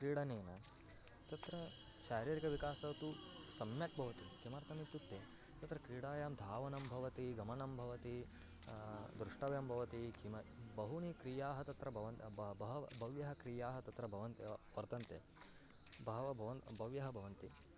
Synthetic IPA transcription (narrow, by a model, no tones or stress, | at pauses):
kɾiːɽɐneːnɐ | t̪ɐt̪ɾɐ | ʃaːɾiːɾikɐʋikaːsɐt̪usɐmjɐk̚bʱɐʋɐt̪ikimɐɾt̪ʰɐmit̪ːjut̪ːe | t̪ɐt̪ɾɐkɾiːɽaːjaːmd̪ʱaːʋɐnɐmbʱɐʋɐt̪iɡɐmɐnɐmbʱɐʋɐt̪i | d̪ɾuʂʈɐʋjɐmbʱɐʋɐt̪ikimɐbɐɦunikɾijaːɦɐt̪ɐt̪ɾɐbʱɐʋɐnbbɐɦɐbʱɐʋjɐɦɐkɾiːjaːɦɐt̪ɐt̪ɾɐbʱɐʋɐnt̪epɐɾt̪ɐnt̪ḛ | bʱɐʋɐbʱɐʋɐnbʱɐʋjɐɦɐbʱɐʋɐnt̪i